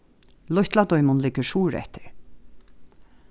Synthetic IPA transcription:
lɔht̪lad̪ɔʏmʊnlɪkːəɾʂuːɾɛ̰ht̪ɪ̥ɹ

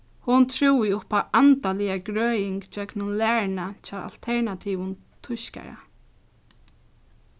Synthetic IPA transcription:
hʊnt̪ʰɹuwɪʊpaʔant̪alɪjaɡɹœːjɪŋkt͡ʃœknʊnlæːɹnat͡ʃʰaa̰l̥t̪ʰɛɹnat̪ʰiʋʊn | t̪ʰʊʃka̰ɾa̰

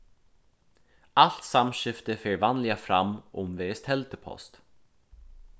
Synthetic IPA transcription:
al̥t̪samɕʏft̪əfeːɹvanlɪafɾa̰mːɔmveːɛst̪hɛlt̪əpʰɔ̰st̪

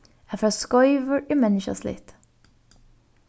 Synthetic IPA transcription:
ɛfɛskɔʏvəɹɪmɛnɪʃa̰slɪ̰t̪

